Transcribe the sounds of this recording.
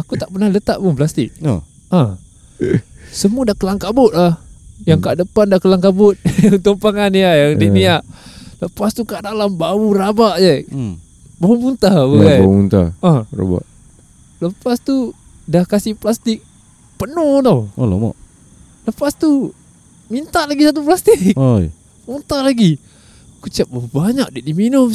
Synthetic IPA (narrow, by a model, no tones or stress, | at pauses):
akut̪aʔpərnahlət̪aʔpuplast̪ɪk̚ | ã | səmuadahkəlaŋkabʊt̪̚lahjaŋkaʔdəpandahkəlaŋkabʊt̪̚ut̪uŋpaŋaniajaŋdiniaʔləpast̪ukaʔdalambawurabaʔd͡ʒa | baumunt̪abəabaumunt̪a̰ara̰ba̰ʔ | ləpast̪u | dahkasɪhplast̪ɪk̚ | pənut̪o̰lo̰ma̰ʔ | ləpast̪u | mint̪aʔlaɡisat̪̬up̬last̪ɪk̚ | munt̪aʔlaɡi | kut͡ʃiaʔ̚baubaɲak̚daʔdiminʊm